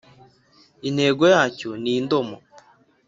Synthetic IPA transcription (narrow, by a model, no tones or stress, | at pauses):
ineːɡojaːcuniːndomo